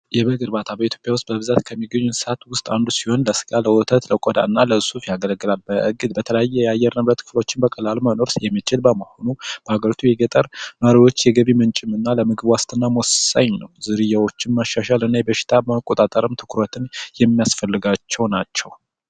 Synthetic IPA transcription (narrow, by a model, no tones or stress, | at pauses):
jɛbəɡɨɾbat̪ʰabəit̪ʰjo̞pʼjawʊst̪̚bəbɨzat̪kʰəmːiɡəɲːunsat̪wʊst̪ʼand̪usiho̞nləsɨ̥ɡaləwɔt̪ʰət̪ləkʼod̪a̰nːaləɨsufjaɡələɡːɨlalbəʔɨɡɨd̪̚bət̪ʰələjajːɛjɛajːɛɾnɨbɾət̪kʰɨ̥flo̞t͡ʃːɪnbəkʼəlalməno̞ɾsjɛmːit͡ʃʼɪlbəməho̞nub̥əhaɡəɾit̪ʰujɛɡət̪ʼəɾnəɾiwo̞t͡ʃːjɛɡəβimɨnt͡ʃʼɪmɨnːaləmɨɡɨβwast̪ʰʼɨnːamossa̰ɲnəwzɨɾɨjːawo̞t͡ʃːɪnmaʃːaʃalɨnːajɛbəʃɪ̥t̪ʰabəməkʼːot̪ʼat̪ʼəɾɨmt̪ʰɨ̥kʰɾət̪ʰɨnjɛmːijasfəlːɨɡat͡ʃːɛwnat͡ʃːɛw